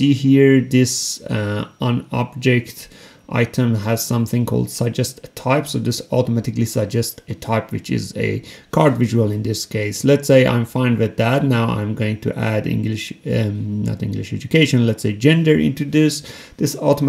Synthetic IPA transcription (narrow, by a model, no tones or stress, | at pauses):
d̥ɨhiɹðɪs | ə̃nɑ̰b̚d͡ʒɛkt | ʔa̰ɪtʰə̃mɨz̥sʌ̃mθɪ̃ŋkʰɔ̰lˠd̥səd͡ʒɛstɨtʰaɪpsoʊd͡ʒɨsɔtəmæɾɨklisəd͡ʒɛstɨtʰaɪpwɨt͡ʃɪ̰zɨ̰kʰɑɹdvɪʒɨəlˠɨ̃nðɪskʰeɪslɨtseɪʔã̰ɪ̃ɱfãɪ̃ndwɨðætⁿnaʊã̰ɪ̃mɡoʊɪ̃ŋtʰɨ̰ʔæ̰dɪ̰̃ŋɡlɪʃ | nə̰tɪ̰̃ŋɡlɨʃɛ̰d͡ʒɨkʰeɪʃɨ̃nlɛtseɪd͡ʒɛ̃ndə˞ʔɪ̰̃ntʰɹɨdʉs | ðɪsɔtəm